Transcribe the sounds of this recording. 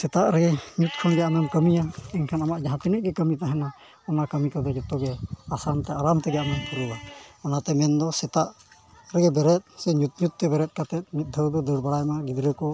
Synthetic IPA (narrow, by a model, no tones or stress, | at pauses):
sɛt̪aʔɾɛɡɛɲut̪̚kʰɔnɡɛjamɛmkəmijaɛɲkʰanamaʔd͡ʒaɦãt̪inəʔ̚ɡɛkəmit̪aɦɛna | ɔnakəmikɔd̪ɔd͡ʒɔt̪ːɔɡɛasant̪ɛaɾamt̪ɛɡɛjamɛkəɾuwaɔnat̪ɛmɛnd̪ɔsɛt̪aʔ | ɾɛɡɛbɛɾɛt̪̚sɛɲut̪̚ɲut̪̚t̪ɛbɛɾɛt̪̚ˀkat̪ɛt̪̚mit̪̚d̪ʱəwd̪ɔd̪əɽbaɽajmaɡid̪ɾɛkɔ